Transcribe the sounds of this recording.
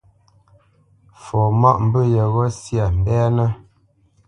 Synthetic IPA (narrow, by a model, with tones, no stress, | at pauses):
fɔ˨ma˦ʔm̩˦bə˦jə˨ɣɔ˦sja˨m̩˨bɛ˦nə˦